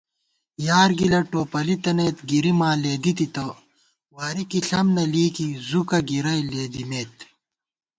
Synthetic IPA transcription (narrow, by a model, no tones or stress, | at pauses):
jaːɾɡilɐʈoːpɐlit̪ɐneːt̪ɡiɾimaːleːd̪it̪it̪ɐ | waːɾikiɬɐmnɐliːkizukɐɡiɾɐjleːd̪imeːt̪